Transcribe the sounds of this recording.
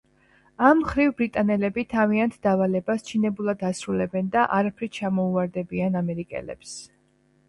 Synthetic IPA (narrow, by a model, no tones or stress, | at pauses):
amːχɾivbɾit̪ʼanɛlɛbit̪ʰaviant̪ʰd̪̥avalɛbast͡ʃʰinɛbulˠad̪asɾulɛbɛnd̪aʔaɾapʰɾit͡ʃʰamɔuaɾd̪ɛbianamɛɾikʼɛ̰lɛ̰ps